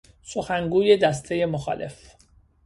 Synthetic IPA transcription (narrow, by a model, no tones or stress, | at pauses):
soxæŋɡuːje̞d̪æst̪ʰe̞je̞moxɒ̰ːlʔe̞̰f